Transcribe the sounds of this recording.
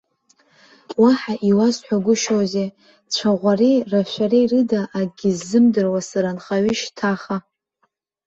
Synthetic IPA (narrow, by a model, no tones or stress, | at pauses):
waħaʔiwazħʷᶣaɡʷʊʃoze | t͡ɕʷʰaʁʷariraʃʷaɾejrɨdaʔːɡʲɪzːɨmdɨrwasaɾanχaɥʏʃtʰaχa